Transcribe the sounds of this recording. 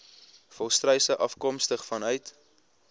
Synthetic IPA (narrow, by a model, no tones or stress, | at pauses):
fɔlˠstrœjsəʔɐfkɔmstəχfɐnœɥt